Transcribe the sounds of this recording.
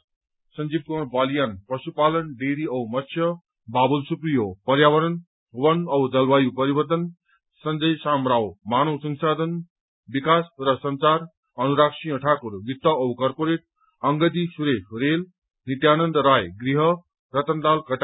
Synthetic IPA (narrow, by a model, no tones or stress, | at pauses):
sʌnd͡zib̚kobaljanprʌsupalʌnɖeɾiʌwmʌt̪ːsʰjʌ | babulsuprijopʌɾjaβʌɾʌn | wʌnʌwd͡zʌlwajupʌɾibʌrt̪ʌn | sʌnd͡zʌjsamɾawmanowsʌŋsad̪ʱʌn | bikasrʌsʌnt͡sar | ʌnuɾaksĩʌʈʰakuɾɡit̪ːʌʌwkʌrpoɾeʈ̚ | ʌŋɡʌt̪isuɾekrel | nit̪janʌnd̪ɾajɡriɦʌ | rʌt̪ʌnd̪alkʌʈa